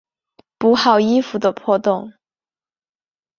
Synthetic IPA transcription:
pu˧˥xɑ˨˩ʊi˥fu˨˩d̪ə˧pʰwɔ˥˧t̪ʊ˥˩ŋ

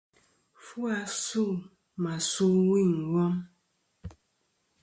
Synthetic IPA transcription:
fu˦a˨su˦˨ | ma˨su˦wi˦˨ŋ̩˨wɔ˦m

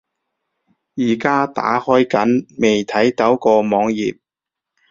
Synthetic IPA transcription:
jiː˨˩kaː˥t̪a̰ː˨˥hɔː˥jkɐ˨˥nme˨jt̪ʰɐ˨˥jt̪ɐ˨˥wkɔː˧mɔː˨˧ŋjiː˨p̚

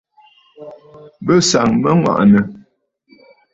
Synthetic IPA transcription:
bə˦sa˨ŋmə˦ŋwa̰˨ʔnə˨

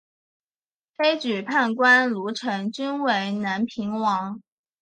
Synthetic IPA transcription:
fe˥ɪt͡ɕy˨˩pʰa˥˩nkwa˥nlu˧˥ʈ͡ʂʰɤ˧˥ŋt͡ɕy˥nwe˧˥ɪna˧˥npʰi˧˥ŋwɑ˧˥ŋ

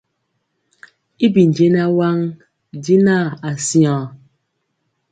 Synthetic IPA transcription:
i˦bi˨n˨d͡ʒe˦na˦wa˦ŋ | di˦na˦˨a˨sjã˨

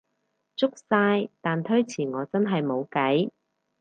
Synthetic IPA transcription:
t͡sʊ˥k̚saː˧jt̪aː˨nt̪ʰɵ˥ɥt͡sʰiː˨˩ŋɔː˨˧t͡sɐ˥nɦɐ˨jmo˨˧wkɐ˨˥j

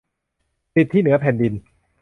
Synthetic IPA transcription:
si˨˩t̪ʰːiː˥˩nɯ˩˦ɐpʰɛː˨˩ndi˧n

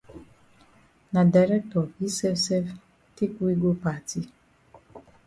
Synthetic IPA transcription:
na˨da˨ɾɛ˦k̚tɔ˨vi˦sɛ˦fsɛ˦f | ti˦kwi˦ɡo˦pa˨ti˦

